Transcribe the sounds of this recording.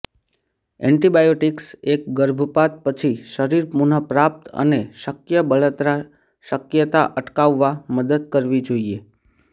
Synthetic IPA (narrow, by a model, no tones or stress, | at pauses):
ɛ̰ɳʈibajoʈiksek̚ɡəɾbʱəpat̪̚pət͡ʃʰiʃəɾiɾpunəpɾap̚t̪ə̰neʃəkjəbəɭət̪ɾa | ʃəkjət̪aʔəʈkaʋːaməd̪əd̪kəɾʋid͡ʒoie